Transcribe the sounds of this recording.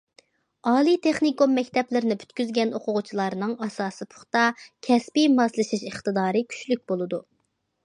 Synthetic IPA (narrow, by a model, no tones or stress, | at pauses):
ɑːlˠit̪ʰeχnikomːɛkʲt̪ʰɛplɪɾɪnɪpʰy̥t̪kʲyzɡʲɛnoqʊʁʊt͡ʃʰilˠɑɾnɨŋɑsɑːsɨpʰʊ̥χt̪ɑkʲʰɛspimɑslˠɨʃiʃəχt̪ɨd̪ɑːɾɨkʲʰy̥t͡ʃlyk̚ʲbolˠɨd̪u